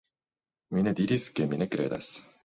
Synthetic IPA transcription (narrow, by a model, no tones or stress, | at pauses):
mined̪iɾʲisɨ̥kːemʲinekɾḛd̪a̰s